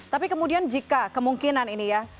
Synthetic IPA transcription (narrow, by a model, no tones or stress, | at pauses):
t̪apikəmudiand͡ʒikakəmuŋkinaninija